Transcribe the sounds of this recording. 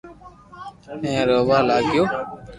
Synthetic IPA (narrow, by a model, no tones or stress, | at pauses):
ẽːɾoːʋaːlaːɡjoː